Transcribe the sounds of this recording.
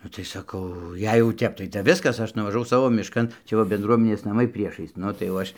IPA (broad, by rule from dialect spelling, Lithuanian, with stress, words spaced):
ˈnʊ tɐɪ sɐˈkɐʊ ˈjɛɪ jɛʊ ˈtʲɛp tɐɪ tʲɛp ˈʋʲɪskɐs ˈɐʃ nʊʋɐʒɐˈʋɐʊ ˈsɑːʋoː mʲɪʃˈkɐn ˈt͡ʃʲɛ ʋɐ bʲɛnˈdruɔmʲɛnʲeːs nɐˈmɐɪ ˈpʲrʲiɛʃɐɪs ˈnʊ tɐɪ jɛʊ ˈɐʃ